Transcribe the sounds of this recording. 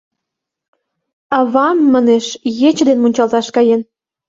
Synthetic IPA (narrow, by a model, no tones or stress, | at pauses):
ɑβɑmːɑneʃjet͡ɕd̪enmunʲt͡ɕɑlt̪ɑʃkɑjen